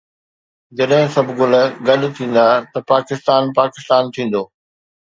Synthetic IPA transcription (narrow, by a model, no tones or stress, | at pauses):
d͡ʑɐɗɦɪ̃sɐbʱɡʊləɡɐɗ̆t̪ʰĩːn̆d̪aːt̪ɐpaːkɪst̪aːnpaːkɪst̪aːnt̪ʰĩːn̆d̪oː